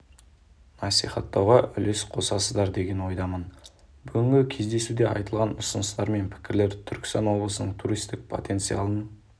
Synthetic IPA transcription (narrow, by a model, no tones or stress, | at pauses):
nɑsiχɑt̪ːɑwʁɑʔʏle̞sqʰo̞sɑsəzd̪ɑɾd̪e̞ɡʲe̞nwo̞jd̪ɑmən | bʏɡʲɪŋɡʲɪkʲʰe̞zd̪e̞sud̪e̞ɑ̰jt̪əlˠʁɑnʊsənəst̪ɑɾme̞npʰɪ̥kʲɪɾle̞ɾt̪ʰʏɾkʲɪ̥st̪ɑnwo̞blˠəsənəɴt̪ʰuɾijst̪ɪk̚pʰo̞̰t̪e̞nt̪sɨja̰lˠən